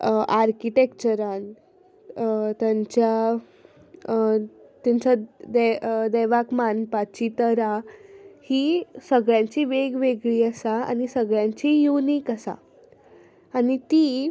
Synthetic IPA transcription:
aɾkiʈekt͡ɕəɾan | t̪jaɲt͡ɕja | t̪jaɲt͡ɕad̪ɛd̪ɛʋakmanpat͡ɕit̪əɾahisəɡɭjãt͡ɕiːʋeɡʋeɡɭiːəsaa̰ñisəɡɭjãɲt͡ɕijunikəsa̰ | nit̪iː

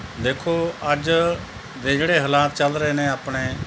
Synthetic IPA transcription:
d̪eːkʰoːəd͡ʒ | d̪eːd͡ʒeːɽeːɦəlaːt̪̚t͡ʃəlɾəeːneːaːpɽeː

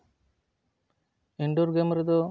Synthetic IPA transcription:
iɳɖɔɾɡemɾɛd̪ɔ

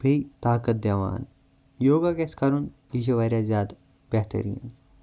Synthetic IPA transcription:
bʱeit̪aːkɐt̪̚d̪ɐʋa̰ːn | joːɡaːɡeskɐɾun | iʃɐʋɐɾjaːzʲjaːd̪ | bɛɦt̪ə̰ɾḭːn

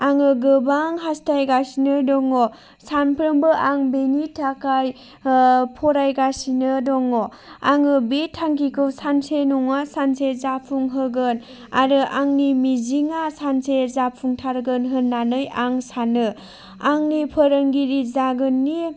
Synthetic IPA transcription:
aŋɯɡɯbaŋɦastʰajɡasinɯdɔŋɔ | sanpʰɾɯmbɯʔaŋbenitʰakaj | pʰɔɾajɡasinɯdɔŋɔ | aŋɯbetʰːaŋkikʰɯwsansenuŋasansezapʰuŋɦɯɡɯn | aɾɯʔaŋnimiziŋasansezapʰuŋtʰaɾɡɯnɦɯnːanɯjaŋsanɯ | aŋnipʰəɾəŋɡiɾizaɡɯnːi

